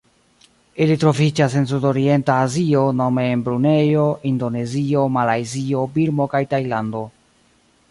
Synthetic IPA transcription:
ilitɾo̞vid͡ʒase̞ns̬udo̞ɾie̞ntaːziono̞me̞ːnbɾune̞jo̞ʔindo̞ne̞zio̞malajzio̞biɾmo̞kajtajlando̞

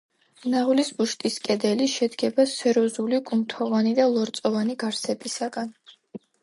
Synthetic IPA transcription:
naʁulisbuʃt̪ʼiskʼɛd̪ɛliʃɛd̪ɡɛbasɛɾɔzulikʼumt̪ʰɔvanid̪alˠɔɾt̪sʼɔvaniɡaɾsʰɛbʼisaɡan

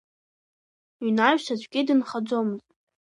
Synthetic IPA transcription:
inaɥᶣʃat͡ɕʷʼɡʲidɨnχad͡zʷomɨzʼ

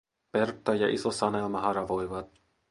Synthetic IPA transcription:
pert̪ːɑjɑʔisosɑnelmɑɦɑɾɑʋojʋɑt̪̚

